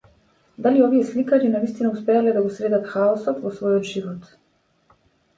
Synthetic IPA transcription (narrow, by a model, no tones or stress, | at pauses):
d̪aliɔviɛslikaɲinavist̪inauspɛalɛd̪aɡɔsɾɛd̪at̪xaɔsɔt̪vɔsvɔjɔt̪ʒivɔt̪